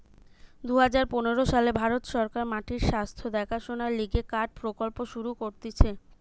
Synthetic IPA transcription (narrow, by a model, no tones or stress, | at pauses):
d̪uɦad͡ʑaɾponeɾoʃalebʱaɾot̪ʃɔɾkaɾmaʈʰiɾʃast̪ʰod̪ɛkʰaʃonaɾliɡekaɖ̚pɾokolpoʃuɾukoɾt̪it͡ɕʰe